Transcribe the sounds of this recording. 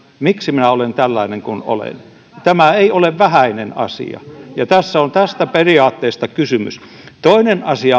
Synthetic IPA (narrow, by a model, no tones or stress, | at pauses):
miksiminæolent̪ælːɑineŋkuno̰lḛn | t̪æmæeioleʋʋæhæinenɑ̰sḭɑ̰jɑt̪æsːæont̪æst̪æperiɑːt̪ːeːst̪ɑkysymy̰s | t̪oinenɑsiɑ